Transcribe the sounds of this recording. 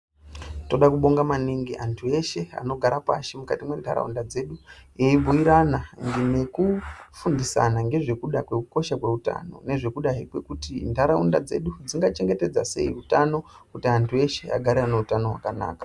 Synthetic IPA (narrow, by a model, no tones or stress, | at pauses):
to̞ɗakuɓo̞ŋɡamaniŋɡiʔantʰue̞ʃe̞a̰no̞ɡʱaɾapa̰ʃimukatimwe̞nda̰ɾa̰ṵndad͡ze̞ɗueib͡vuiɾanaŋɡine̞kufundisa̰naŋɡe̞ʐe̞kuɗakwe̞kuko̞ʃakwe̞uta̰no̞̰ne̞ʐe̞kuɗaɦikwe̞kutindʱaɾaunda̰d͡ze̞̰ɗud͡ziŋɡat͡ʃe̞ŋɡe̞te̞d͡zase̞̰irutano̞ | kutiantʰue̞ʃe̞a̰ɡʱaɾeaneutano̞ɦwa̰kana̰ːkḁ